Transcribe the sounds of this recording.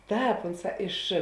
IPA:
ˈtɑːp ˈʊnˌsɑː ɪʃ

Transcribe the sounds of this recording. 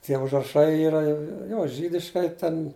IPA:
tʲiɛ ʊʒrɐˈʃɐɪ ˈiːrɐ ˈjoː ˈʒʲiːdʲɪʃkɐɪ tʲɛn

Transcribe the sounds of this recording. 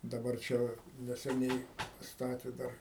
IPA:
dɐˈbɐr ˈt͡ʃʲɛ ʋɐ nʲɛsʲɛˈnʲɛɪ pɐˈstɑːtʲeː ˈdɐr

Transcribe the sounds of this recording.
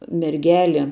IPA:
mʲɛrʲˈɡʲæːlʲɪ

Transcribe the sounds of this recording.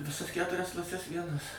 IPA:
ʋʲɪˈsɐs ˈkʲæːtʊrʲɛs klˠɐˈsʲɛs ˈʋʲiɛnɐs

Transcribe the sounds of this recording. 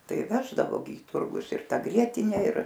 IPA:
ˈtɐɪ ˈʋʲæːʒdɐʋoː ɡʲɪ iː ˈtʊrɡʊs ɪr ˈtɐ ˈɡrʲiɛtʲɪnʲɛ ɪr

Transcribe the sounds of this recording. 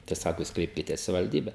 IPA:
tɐɪ ˈsɑːkoː ˈjuːs ˈkrʲɛɪpʲkʲɪtʲɛs sɐʋʲɪʋɐlʲˈdʲiːbʲɛ

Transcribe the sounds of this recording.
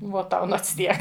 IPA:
ˈʋuɔ ˈtɐʊ ˈnoːts ˈtʲiɛk

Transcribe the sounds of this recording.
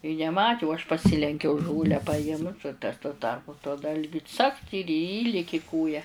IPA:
ɪ nʲɛˈmɑːtʲɪ ʊ ɐʃ pɐˈsʲɪlʲɛŋʲkʲɛʊ ˈʒoːlʲæː pɐˈɪmt ʊ tɐs tuɔ ˈtɐrpʊ tuɔ ˈdɐlʲɡʲʊ t͡sɐkt ɪr ˈiːlʲɪkʲɪ ˈkoːjɛ

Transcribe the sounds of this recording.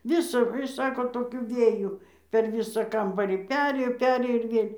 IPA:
ˈʋʲɪsɐ ˈsɑːkoː toːˈkʲʊ ˈʋʲeːjʊ pʲɛr ˈʋʲiːsɑː ˈkɐmbɐrʲiː ˈpʲæːrʲeːjoː ˈpʲæːrʲeːjoː ɪr ˈʋʲeːlʲ

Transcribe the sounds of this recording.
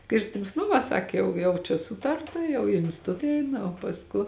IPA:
ˈsʲkʲɪrʲsʲtʲɪms nʊ ʋɐ ˈsɐk ˈjɛʊ jɛʊ t͡ʃʲɛ ˈsuːtɐrtɐ jɛʊ ɪ ɪnʲsʲtʲɪˈtʊt ˈɛɪnɐ oː pɐsˈkʊ

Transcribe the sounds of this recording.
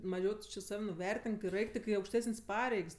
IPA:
mɐˈʒʲɛʊ tʊ t͡ʃʲɪ ˈsɐw nʊˈʋʲɛrʲtʲɪŋk ɪr ˈɛɪk tʲɪk ɪ ɐʊkʃʲˈtʲæːsənʲsʲ ˈpɑːrʲɛɪks

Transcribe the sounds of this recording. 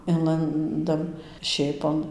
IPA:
ˈɪnlˠɐndɐm ˈʃʲeːpoːn

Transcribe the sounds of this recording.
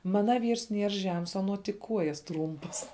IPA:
ˈmɑːnɐ ˈʋʲiːrs ˈnʲiɛr ˈʒʲɛms ɐˈnuɔ tʲɪk ˈkuɔjɛs ˈtruːmpɐs

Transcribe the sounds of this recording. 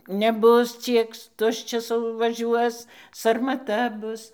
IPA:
nʲɛˈbʊs ˈt͡sʲiɛk ˈtʊʃʲt͡ʃʲɛs ʋɐˈʒʲuɔs sɐrmɐˈtɐ ˈbʊs

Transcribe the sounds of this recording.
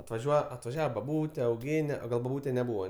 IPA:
ɐtʋɐˈʒʲuɔjɛ ɐtʋɐˈʒʲæːʋɐ bɐˈbuːtʲɛ ɐʊˈɡʲeːnʲɛ oː ˈɡɐlˠ bɐˈbuːtʲɛ nʲɛˈbuːʋɐ

